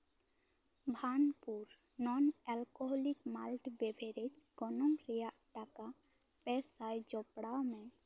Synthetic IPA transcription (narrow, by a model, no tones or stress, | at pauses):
bʱaːnpuɾ | nɔnɛlkɔɦɔlikmalʈbebʱeɾed͡ʒɡɔnɔmɾijaʈaka | pɛsajd͡ʒɔpɽamẽ